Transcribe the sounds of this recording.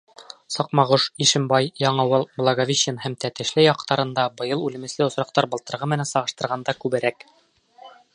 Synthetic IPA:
sɑqmɑʁuʃiʃɘ̆mbɑjjɑɴɤwɤlˠblˠɑɡavʲiɕɘnhæmt̪æt̪ɘ̆ʃlɘjɑq̚t̪ɑɾɤ̆nd̪ɑbɤ̆jɤlˠʉlɘ̆mɘ̆slɘŏsɾɑq̚t̪ɑɾbɤ̆t̪ɤ̆ɾʁɤmɘ̆nænsɑʁɤ̆ʃt̪ɤ̆ɾʁɑnd̪ɑkʉβɘ̆ɾæk

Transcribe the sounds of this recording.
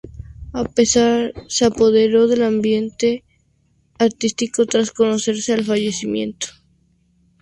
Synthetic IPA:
apesaɾseapo̞ð̞e̞ɾo̞ðe̞lambje̞nt̪e̞ | aɾt̪ist̪iko̞t̪ɾasko̞nose̞ɾsealfaʝe̞simjẽ̞̰nt̪o̥

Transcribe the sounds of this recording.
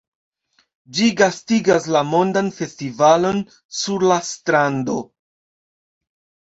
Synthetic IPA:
d͡ʒiɡastiɡaslamo̞ndanfe̞stivalo̞n | suɾlastɾando̞

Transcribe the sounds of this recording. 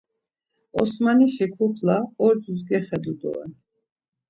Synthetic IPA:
ɔsmaniʃikʰupʰlaɔɾdzus̬ɡɛχɛd̪ud̪ɔ̰ɛ̰n

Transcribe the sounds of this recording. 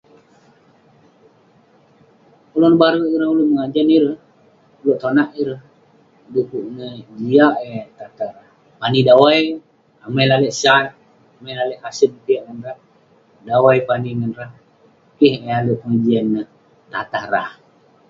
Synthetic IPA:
kolonəbaɾəiɾəhuləhməŋad͡ʒaniɾəh | loʔt̪onaʔiɾəh | dukuʔnəd͡ʒiaʔet̪at̪aɾah | panidawaj | amajlalɛʔsat̪̚ | amajlalɛʔkasən̚k̪iaʔŋənrah | dawajpaniŋənrah | kiɦealuʔpəŋad͡ʒiɛnːə | t̪at̪ahrah

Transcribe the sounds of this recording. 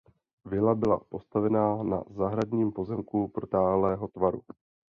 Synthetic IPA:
vɪlabɪla̰po̞st̪avɛnaːna̰zaɦɾadɲiːmpo̞zɛmkupɾot̪aːlɛːɦo̞t̪vaɾu

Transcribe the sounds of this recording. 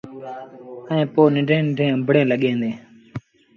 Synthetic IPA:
əẽːpoːnɪɳɖʱẽːnɪɖʱẽːə̃mbʱɽẽːləɠẽːnd̪eː

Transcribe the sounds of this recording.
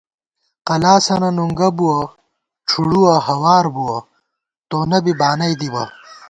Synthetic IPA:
qɐlaːsɐnɐnuŋɡɐbuwɐ | ʈ͡ʂʰuɽuwɐhɐwaːɾbuwɐ | t̪oːnɐbibaːnɐjd̪ibɐ̰

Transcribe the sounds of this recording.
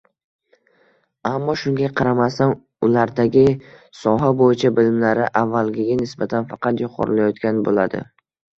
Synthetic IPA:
amːɒʃʊŋɡʲaqʰɑɾamasan | ʊlaɾd̪aɡʲɪsɒɦabojɪt͡ʃʰabɪlɪmlaɾɪʔavːalɡʲɪɡʲanɪsbat̪ʰanfɑqɑt̪jʊqʰɒ̰ɾɪlajɒt̪kʲanbo̰lad̪ɪ̰

